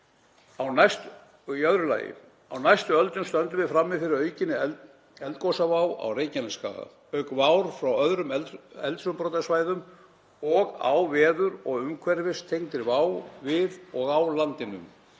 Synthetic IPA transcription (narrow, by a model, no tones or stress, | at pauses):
awnajst̪ | œðɾʏla̰ːjɪ̰ | awnajst̪ʏœlt̪ʏmst̪œnt̪ʏvɪðfɾamːɪfɪɾɪɾœɥcɪnːɪɛ | ɛlt̪̚kowsavawa̰wreːjcɪnɪska̰ːɣa̰ | œɥkvaːwɾ̥fɾawœðɾʏmɛlɛlt̪sʏmpɾɔt̪asvaːjðʏm | ɔɣa̰wvɛːðʏɾɔɣʏmkʰvɛɾvɪst̪ʰejŋt̪ɪɾvaːwvɪðɔɣawlant̪ɪnʏ̰m